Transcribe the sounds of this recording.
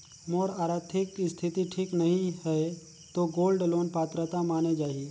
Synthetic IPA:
moːɾaːɾaːt̪ʰɪkst̪ʰɪt̪iʈʰiːknɐɦĩɦɛ | t̪oɡoːlɖloːnpaːt̪ɾət̪amaːned͡ʒaːie

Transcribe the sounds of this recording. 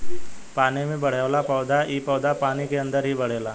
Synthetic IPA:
paːnemẽbɐɽ̤elapɔːd̪aʔiːpɔːd̪apaːnikeɐ̃nd̪əɾɦibɐɽ̤eːlaː

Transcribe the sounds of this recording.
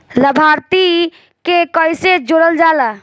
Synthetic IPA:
ləbʱaɾt̪i | kekəjsed͡ʒoɽəld͡ʒaːla

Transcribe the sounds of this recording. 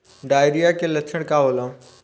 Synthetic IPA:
ɖaːjɾijakelət͡ʃʰəɽkaʋoːlã

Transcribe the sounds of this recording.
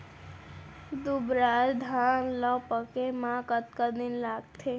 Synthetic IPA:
d̪ubɾaːɾd̪ʱaːnlɔpəkemãkət̪̚kad̪ɪnlaːɡ̚t̪ʰeː

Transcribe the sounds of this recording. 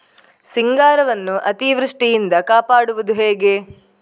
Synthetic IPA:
siŋɡaːɾɐʋɐnːuʔɐt̪iʋɾuʂʈijind̪ɐkaːpaːɽuʋud̪uɦe̞ːɡe̞

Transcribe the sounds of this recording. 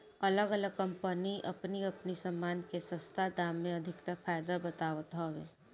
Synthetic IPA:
ɐləɡələɡ̚kɐ̃mpəniʔɐpniɐpnisɐmːaːnkesə̃st̪ʰad̪aːmːẽɐd̪ʱɪkt̪afʰaːjd̪abɐt̪aːʋət̪ɦɔʋeː

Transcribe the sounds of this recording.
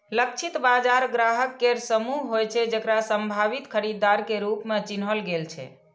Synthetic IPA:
lək̚t͡ʃʰit̪bad͡ʒaɾɡɾaɦəkːeɾsəmuɦɦːojt͡ʃʰɛd͡ʒəkɾasəmbʱaβit̪kʰəɾid̪ːaɾkeɾupmet͡ʃinɦəlɡelt͡ʃʰɛ̰

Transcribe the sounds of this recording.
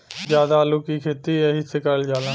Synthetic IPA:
zjaːd̪aːəluːkiːkʰeːt̪iːeɦisekəld͡ʒaːlãː

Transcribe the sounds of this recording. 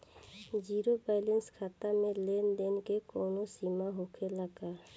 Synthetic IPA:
d͡ʒiːɾobaːɪlənskʰaːt̪amẽleːnd̪eːnkekoːnosiːmaɦoːkʰeləɡaː

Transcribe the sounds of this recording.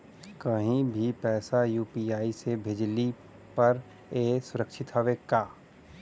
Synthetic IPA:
kəɦĩbʱipɛːsajuːpiaːisebʱeːd͡ʒli | pɐɾ | eːsʊɾəkʃʰɪt̪ɦoʋekaː

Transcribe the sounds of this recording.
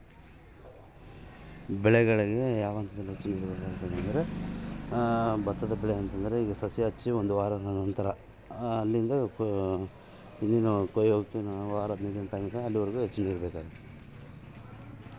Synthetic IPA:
bɛɭɛɡɐɭiɡe̞jaːʋɐnt̪ɐd̪ɐlːiɦet͡ʃːɐniːɾɐbeːkaːɡɐt̪ːɐnɐnd̪ɐɾe̞ | bɐt̪ːɐd̪ɐbɛɭeɐnt̪ɐnd̪ɐɾe̞iːɡɐsɐsjɐɦɐt͡ʃːiond̪uʋaːɾɐnɐnɐnt̪ɐɾɐː | lːind̪ɐ | ind̪iːnukojoːɡut̪ːuʋaːɾɐb̪neːd̪inup̪aːjɡt̪ɐɐlːiʋɐɾiɡuɦet͡ʃːɐniːɾɐbɛːkaːɡɐt̪ːe̥

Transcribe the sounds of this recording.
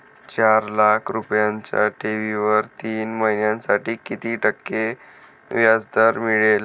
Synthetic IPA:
t͡ɕaɾlakʰɾupjãɲt͡ɕja̰ʈeʋiʋəɾt̪iːnməɦinjãnsaʈiːkit̪iːʈəkːe | ʋjad͡zd̪əɾmiɭel

